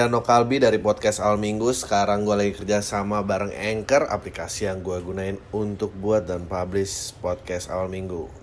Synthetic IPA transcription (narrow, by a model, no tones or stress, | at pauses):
anokalbidaɾipɔt̪̚kɛsawalmiŋɡusə̥kaɾaŋɡualaɡikərd͡ʒasamabaɾəŋɛŋkəra̰plikasijaŋɡuaɡunaɪnunt̪ʊk̚buat̪̚danpablɪspɔt̪̚kɛsa̰walmiŋɡu